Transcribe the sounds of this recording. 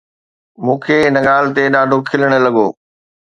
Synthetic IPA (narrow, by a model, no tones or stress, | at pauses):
mũːkʰeɪnəɠaːlɪ̆t̪eɗaːɖʱokʰɪləɽ̃ə̆lɐɠoː